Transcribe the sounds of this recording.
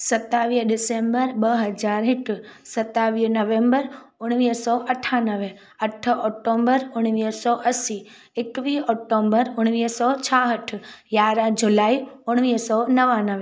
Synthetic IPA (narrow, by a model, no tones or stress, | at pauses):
sət̪ːaʋiːɖɪsẽmbəɾbəɦəd͡ʒaːɾɦɪʈsət̪ːaʋiːɦnəʋẽmbəɾ | ʊɽ̃ʋiːsɔʔəʈʰanəʋe | əʈʰɔk̚ʈombəɾʊɽ̃ʋisɔʔəsi | ekʋiɔk̚ʈombəɾʊɽ̃ʋiːsɔt͡ʃʰaɦəʈʰjaːɾə̃d͡ʒulaːiʊɽ̃ʋiːsɔnəʋanəʋe